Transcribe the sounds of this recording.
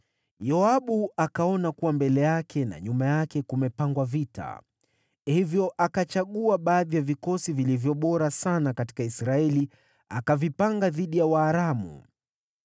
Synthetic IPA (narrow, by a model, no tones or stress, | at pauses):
jɔaɓuakaɔnakuwambɛlɛjakʰɛna̰ɲumajakɛkumɛpaŋɡwavita̰ | hivjɔʔakat͡ʃaɠuaɓaːðijavikɔsivilivjɔɓɔɾasanakati̥kaisɾaɛli | a̰kavipaŋɡaðiɗijawaːɾamṵ